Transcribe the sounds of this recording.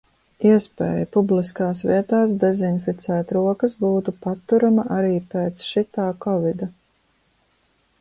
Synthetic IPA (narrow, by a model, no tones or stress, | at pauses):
iɛspɛ̰ːjpubliskaːsvḭɛt̪aːs̬d̪ɛzinfit̪sæːt̪ɾuɔkɐsbuːt̪upat̪ːuɾamaʔaɾiːpeːt̪sʃit̪aːkɔvid̪a